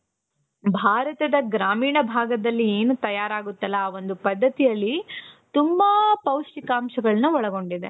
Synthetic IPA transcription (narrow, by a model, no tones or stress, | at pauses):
bʱaːɾɐt̪ɐd̪ɐɡɾaːmiːɳɐbʱaːɡɐd̪ɐlːieːnut̪ɐjaːɾaːɡut̪ːɐlːɐʋo̞nd̪upɐd̪ʱːɐt̪ijɐlːit̪umbɐpɐwʂikaːmʃɐɡɐɭɐnuɔɭɐɡo̞ɳɖid̪ḛ